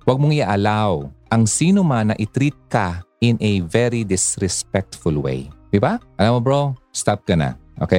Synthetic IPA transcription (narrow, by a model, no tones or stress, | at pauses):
wɐɡ̚moŋɪaʔɐlawʔɐŋsiːnomanːɐʔɪt̪ɾit̪̚kaʔɪnʔɛvɛɾid̪ɪsɾɛspɛk̚t̪fʊlwḛjd̪ɪbaʔɐlamobɹost̪ap̚kɐna̰ʔo̰ːke